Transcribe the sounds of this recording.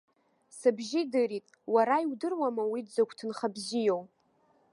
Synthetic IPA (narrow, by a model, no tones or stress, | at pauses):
sɨbʒɪdɨɾitʼ | waɾaiwdɨrwamawidd͡zakʷʰtʰɨnχabzijow